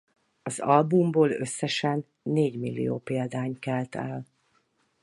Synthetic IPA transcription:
ɒzɒlbumboːlø̞sːɛʃɛnː | eːɟmilːḭjo̰ːpeːld̪aːɲkɛlt̪ɛl

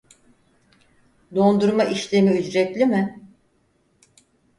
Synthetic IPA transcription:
d̪o̞nd̪uɾmaʔiʃlʲemiyd͡ʒɾɛt̪lʲimɪ

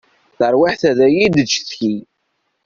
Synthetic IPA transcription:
θəɾwiħθæðæjid̪ət͡ʃːθçi

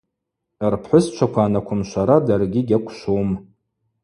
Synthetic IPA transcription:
rpʰħʷʊst͡ʃʷʰakʷʰaːnakʷʰʊmʃʷaɾadarɡʲiɡʲakʷʰʃowm

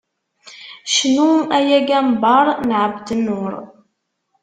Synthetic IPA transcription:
ʃnuæjæɡæmbɑɾˤnʕəbd̪ənʊɾˤ

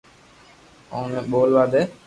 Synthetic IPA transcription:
oneːɓoːlʋaːd̪eː

